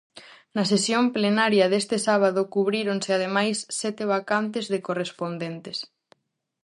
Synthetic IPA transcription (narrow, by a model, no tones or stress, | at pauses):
nɐsesjomplenaɾjɐðest̪ɪsaβ̞aðokuβɾiɾonseað̞emajsːɛt̪eβ̞akant̪̬ezðekorespond̪ent̪es